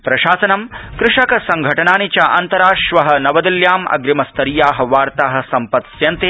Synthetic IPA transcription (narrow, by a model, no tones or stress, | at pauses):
pɾɐʃaːsɐnɐmkɾɪʂɐkɐsɐŋɡʱɐʈɐnaːnit͡ʃɐʔɐnt̪ɐɾaːʂʋɐɦɐ̆nɐʋɐd̪ɐljaːmɐ̰ɡɾimɐst̪ɐɾijaːɦɐ̆ʋaːɾt̪aːɦɐ̆sɐmpɐt̪sjɐnt̪e